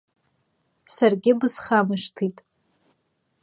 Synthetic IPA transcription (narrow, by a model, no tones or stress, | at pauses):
sarɡʲɪbɨzχamaʂtʰitʼ